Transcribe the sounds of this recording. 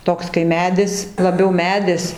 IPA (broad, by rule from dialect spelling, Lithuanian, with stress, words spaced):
ˈtoːks kɐɪ ˈmʲæːdʲɪs lˠɐˈbʲɛʊ ˈmʲæːdʲɪs